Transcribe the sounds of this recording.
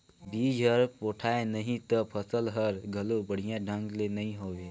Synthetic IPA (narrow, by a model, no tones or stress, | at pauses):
biːd͡ʒʱɦəɾpoːʈʰaːenəɦĩt̪əpʰəsəlɦəɾɡʱəlobəɽ̤ijãɖʱə̃ŋɡlenɐɦĩɦoːʋeː